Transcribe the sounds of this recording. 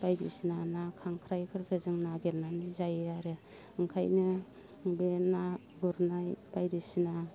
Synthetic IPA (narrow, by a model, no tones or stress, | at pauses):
bajɾḭsinanakʰaŋkʰɾajkʰɯɾkʰɯzɯŋnaɡelnanizajeaɾe | ɯŋkʰa̰jnɯ | ŋbena | ɡuɾnajbajɾisina